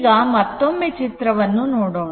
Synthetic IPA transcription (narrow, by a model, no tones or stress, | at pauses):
ɡɐːmɐt̪ːomːet͡ʃit̪ɾɐʋɐnːunoːɽoːɳ